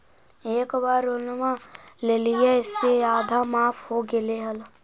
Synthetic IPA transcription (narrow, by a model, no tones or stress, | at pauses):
eːkbaːɾʊnmãleːlijeɪsːejaːd̪ʱamaːpʰɦoɡeleɦəl